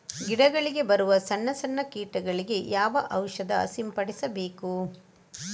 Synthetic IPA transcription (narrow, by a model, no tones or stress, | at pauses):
ɡiɽɐɡɐɭiɡe̞bɐɾuʋɐsɐnːɐsɐɳːɐkiːʈɐɡɐɭiɡe̞jaːʋɐʔɐwʂɐd̪ɐ̰simpɐɽisɐbeːku